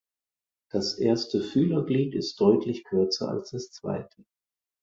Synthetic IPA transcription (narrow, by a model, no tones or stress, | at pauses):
d̥asʔeːɐstʰəfyːlɐɡliːtɪst̚d̥ɔʏtʰlɪçkʰʏɐt͡sɐ̰a̰lsd̥ast͡sv̥a̰ɪtʰə